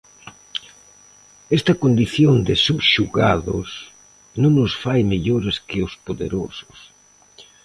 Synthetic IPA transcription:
ɛst̪ɐkond̪iθjoŋd̪ɪsubʃuɣa̰ðʊ̰s | nõŋnʊsfajmeʎoɾɪskɪʊspoðḛɾosʊ̥s

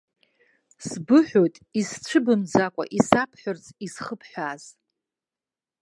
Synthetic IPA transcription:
sbɨħʷᶣotʼist͡ʃʷʰɨbɨmd͡zakʷʼa̰ʔisapʰħʷᶣʊrt͡sʼisχəpʰħʷᶣaːz̥

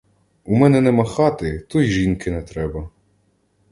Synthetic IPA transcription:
umɛnɛnɛmɐxɑt̪ɪt̪ujʒinkɪnɛt̪ɾɛbɐ

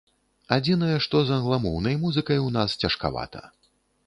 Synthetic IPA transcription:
ad͡zʲinɐjɛʂt̪ɔzɐnlˠamɔwnɐjmuzɨkɐjwnast͡sʲɐʂka̰va̰t̪ʰɐ̰

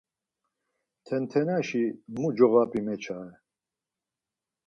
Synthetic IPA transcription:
t̪ʰɛnt̪ʰɛnaʃimud͡ʒɔɣapʼimɛt͡ʃʰaɛ

